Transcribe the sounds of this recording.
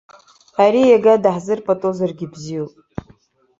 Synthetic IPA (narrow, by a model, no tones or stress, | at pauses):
aɾijaɡadaħzɨrpʼatʼozarɡʲɪbzijopʼ